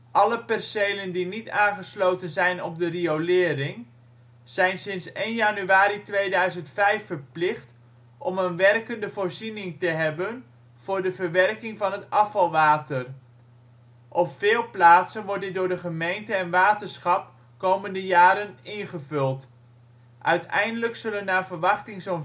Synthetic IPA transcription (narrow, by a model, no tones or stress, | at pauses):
ʔɑləpɛrsejləndinitaːnχəslowtənzɛjnɔb̚dəriowlɪːɾɪŋ | z̥ɛjnsɪnsejnjanyaːɾitʋejdœɥzəntfɛjfəɹplɪχt | ʔɔmənʋɛrkəndəvʊːɹzinɪŋtəɦɛbən | v̥ʊːɹdəvəɹʋɛrkɪŋvɑnɦətɑfɑlˠʋaːtər | ʔɔpfɪːlˠplaːtsənʋɔr̚tdɪt̚dʊːɹdəχəmejntəɛnʋaːtəsχɑp | kowməndəjaːɾənɪnχəvɵlˠt | ʔœɥtɛ̰jndələksɵlənaːvəɹʋɑχtɪŋson